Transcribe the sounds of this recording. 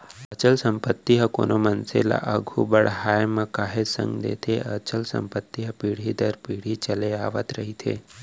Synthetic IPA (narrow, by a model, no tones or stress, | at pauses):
ət͡ʃəlsəmpət̪ːiɦəko̰nomənsela̰ʔəɡʱubəɽɦajmə̃kaɦesə̰̃ŋɡd̪ḛt̪ʰeət͡ʃəlsə̰mpət̪ːiɦəpiɽ̤id̪əɾpiːɽ̤it͡ʃəleaːʋət̪ɾəɦit̪ʰḛ